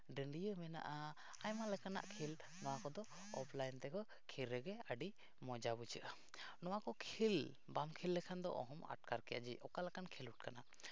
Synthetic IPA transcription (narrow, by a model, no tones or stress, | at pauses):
ɖəɳɖijəmɛna̰ʔa | ajmalɛkana̰ʔkʰil | nɔwakɔd̪ɔ | ɔ̰pʰlajnt̪ɛkɔ | kʰiɾːɛɡɛəɖi | mɔd͡ʒabut͡ʃəʔə | nɔwakɔkʰil | bamkʰilːɛkʰand̪ɔ̰ʔɔ̰ɦɔma̰ʈ̚kaɾkɛja̰ʔd͡ʒiʔɔkalɛkankʰiluʈ̚kana